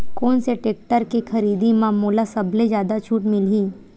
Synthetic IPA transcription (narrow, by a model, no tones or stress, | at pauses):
koːnseʈek̚ʈəɾkekʰəɾiːd̪imãmolasəbled͡ʒjaːd̪at͡ʃʰuːʈmilĩː